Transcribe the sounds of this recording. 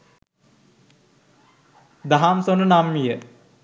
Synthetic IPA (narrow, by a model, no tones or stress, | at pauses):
d̪aɦamsonənamːijə